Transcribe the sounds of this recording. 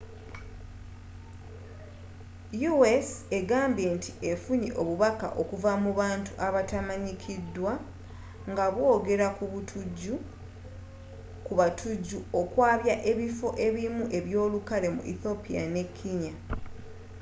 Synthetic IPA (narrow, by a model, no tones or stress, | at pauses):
juwese̞ɡaːmbje̞ntiʔe̞fuɲḛʔo̞βuβaka̰ʔo̞kuvamuβaːntuʔaβatamaɲikʰidːwa | ŋɡaβwo̞ːɡe̞ɾakuβutʰuɟu | kuβatʰuɟːuokwaːβjaʔe̞βifo̞ʔe̞βimuʔe̞βjo̞ːlukale̞mṵʔḭθo̞pija̰ne̞kʰːiɲa